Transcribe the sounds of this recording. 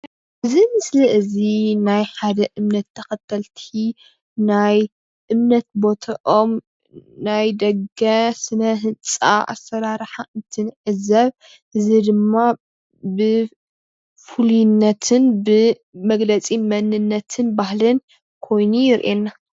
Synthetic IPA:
ʔɨzimɨsliʔɨzinajħad̪ɐʔɨmnɐt̪ʰːɐxɐt̪ʰːɐlt̪ʰi | naj | ʔɨmnɐt̪̚bo̞t̪ʰɐʔom | najd̪ɐɡɐsɨnɐɦɨnt͡sʼa̰ʔa̰sːɐɾaɾħaʔɨnt̪ʰɨnʕɨzɐβ | ʔɨzid̪ɨmːa | bɨ | fuljnːɐt̪ʰɨnbɨ | mɐɡlɐt͡sʼimɐnɨnːɐt̪ʰɨnbahlɨn | kʰo̞jnujɪɾʔenːa

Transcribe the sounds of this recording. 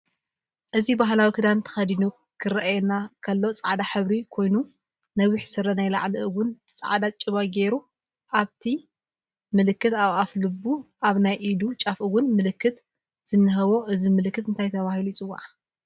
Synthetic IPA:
ʔɨzibaɦlawikʰɨd̪ant̪ʰɐ̥xɐd̪inu | kʰɨɾɐʔajɛnakʰɐlːot͡sʼaʕd̪aħɨβɾikʰo̞jnu | nɐβiħsɨɾɐnajla̰ʕlɨɨwʊnt͡sʼa̰ʕd̪at͡ʃʼɨβajɡe̞ɾu | ʔaβt̪ʰi | mɨlɨkːɨt̪aβaflɨbuʔaβnajʔid̪ut͡ʃʼafɨwʊnmɨlɨkːɨt̪ | z̥ɨnːɨɦɐβo̞ʔɨzimɨlɨkːɨt̪ɨnt̪ʰajt̪ʰɐβahilut͡sʼɨwa̰ʕ

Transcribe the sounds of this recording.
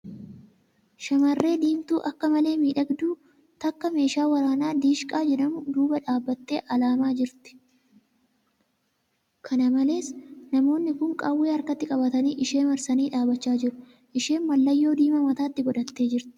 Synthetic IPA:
ʃɐmɐrːe̞ːd̪iːmt̪uːʔɐkːɐmɐle̞ːmiːᶑɐɡd̪uː | t̪ɐkːɐme̞ːʃaːwɐɾaːnaːd̪iːʃkʼaːd͡ʒɛᶑɐmʊd̪uːbɐᶑaːbːɐt̪ːe̞ːʔɐlaːmaːd͡ʒɪɾt̪ɪ̥ | kʰɐnɐmɐle̞ːsnɐmo̞ːnːɪkʊŋkʼawːeːɐɾkɐt̪ːɪkʼɐbɐt̪ɐniːʔɪʃe̞ːmɐɾsɐniːᶑaːbɐt͡ʃːaːd͡ʒɪɾʊ | ʔɪʃe̞ːnmɐlːɐjːo̞ːd̪iːmɐmɐt̪aːt̪ːɪɡɔᶑɐt̪ːe̞ːd͡ʒɪɾt̪ɪ̥

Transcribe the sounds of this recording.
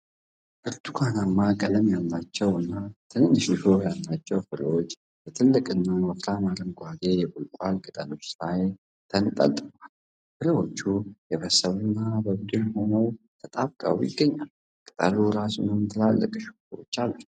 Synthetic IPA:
ʔɨɾt̪ukʷʰanamːakʼələmjalːat͡ʃːɛwɨnːat̪ʰɨnɨnːɨʃɪʃo̞jalːat͡ʃːɛwfɨɾḭwo̞t͡ʃː | bɛt̪ʰɨlːɨkʼɨnːaməfɾʰamaɾɨmɡʷad̪e̞jɛbulkʼalkʼɨt̪ʼəno̞t͡ʃːlaj | t̪ʰənɨt̪ʼə̰t̪ʼɨmal | fɨɾiwo̞t͡ʃːujɛβəsəβɨnːabəbud̪ɨnho̞nəw | t̪ʰət̪ʼabkʼə̰wjɪ̰ɡːəɲːal | kʼɨt̪ʼə̰luɾasunɨmt̪ʰɨlalːə̰kʼʃ | wo̰t͡ʃːalːə̥

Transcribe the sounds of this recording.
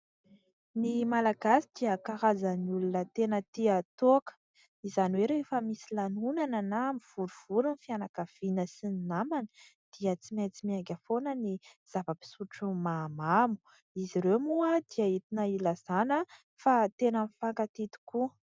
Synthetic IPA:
nimalaɡasi̥d̪̥iəkaɾazaniulunət̪enət̪iat̪oakə̥ | izanweɾeefəmisilanunanənamiv̥uɾuv̥uɾunfianakav̥inəsininamanə̥ | d̪̥iət͡simat͡simaŋɡʲəfonəniz̥avəpi̥suʈ͡ʂumamamu̥ | iziɾemuəd̪̥iait̪inəilaz̥anə | fat̪enənfaŋkat̪it̪i̥ku

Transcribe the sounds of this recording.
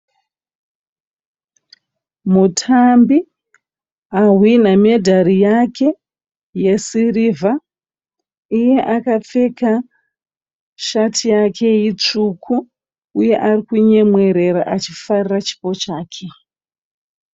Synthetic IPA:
mutʰambi | aɦwiname̞dʱarijakʰe̞ | je̞sirivʱa | uje̞ʔakap͡fe̞ka | ʃatʰijakʰe̞jit͡ʂukʰu | uje̞ʔarikuɲe̞mwe̞ɾe̞ɾaʔat͡ʃifarirat͡ʃi̥po̞t͡ʃaːkʰe̞

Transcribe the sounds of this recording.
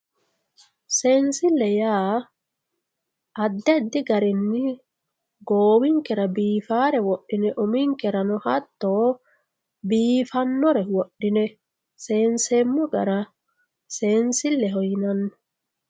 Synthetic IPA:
seːnsɪlːɛjaː | ʔɐd̪ːɛd̪ːɪɡɐɾɪnːɪ | ɡoːwɪŋkɛɾɐbiːfaːɾɛwɔɗːɪnɛʔʊmɪŋkɛɾɐnɔhɐt̪ːoː | biːfɐnːɔɾɛwɔɗːɪnɛ | seːnsɛmːɔɡɐ̰ɾɐ | seːnsɪlːɛɦɔjɪnɐnːɔ̥

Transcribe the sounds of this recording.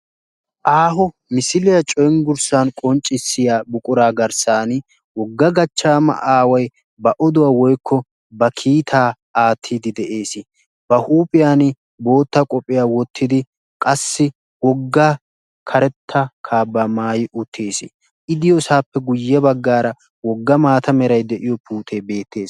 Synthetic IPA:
ʔaːɦɔ | mɪsɪlɪjɐt͡ʃʼɔjnɡʊɾsankʼɔnt͡ʃʼɪsːɪjaːbʊkʼʊɾaːɡɐɾsaːn | wɔɡːɐɡɐt͡ʃːaːmɐ̰ʔaːwɐj | bɐʔɔd̪ʊwaːwɔjkʰːɔ | bɐkʰiːt̪ʰaː | aːt̪ʰːid̪ɪd̪ɛʔe̞ːsɪ | bɐhuːpʼɪjaːn | bo̞ːt̪ːɐkʼɔpʼːɪjaːwɔt̪ʰːɪd̪ɪ | kʼɐsːɪ | wɔɡːa | kʰɐɾɛt̪ʰːɐkʰaːbːɐmaːjɪʔʊt̪ʰːeːsɪ̰ | ʔɪd̪ɪjɔsaːpːɛɡʊjːɛbɐɡːaːɾɐ | wɔɡːɐmaːt̪ɐmɛɾɐjd̪ɛʔɪjɔpuːt̪ʰeːbe̞ːt̪ːe̞ːs

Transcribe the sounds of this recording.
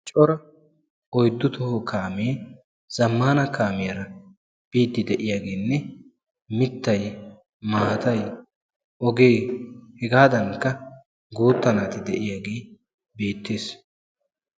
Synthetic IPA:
t͡ʃʼɔɾɐ | ɔjd̪ːʊt̪ɔhɔkaːmeː | z̥ɐmːaːnɐkaːmɪjɐɾɐ | b̥iːt̪ːɪd̪ɛʔɪjaːɡeːnːɛ | mɪt̪ːɐj | maːt̪ɐj | ʔɔɡe̞ːhɛɡaːd̪ɐŋkːɐ | ɡuːt̪ːɐnaːt̪ɪd̪ɛʔɪjaːɡe̞ː | be̞ːt̪ːe̞ːs

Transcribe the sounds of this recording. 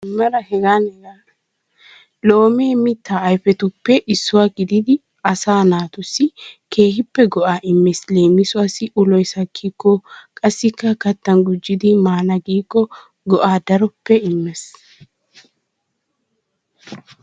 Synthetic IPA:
mːɐɾɐhɛɡaːnhɛɡa | lo̞ːmeːmɪt̪ːaːjfɛt̪ʊpːɛʔɪsːʊwaːɡɪd̪ɪd̪ɪ | ɐsaːnaːt̪ʊsːɪke̞ːhɪpːɛɡɔʔaːʔɪmːɛsle̞ːmːɪsʊaːsɪʔʊlɔjsɐkʰːiːkːɔkʼɐsːɪkːɐkɐt̪ːɐnɡʊd͡ʒːɪd̪ɪmaːnɐɡiːkːɔ | ɡɔʔaːd̪ɐɾɔpːɛɪmːɛs

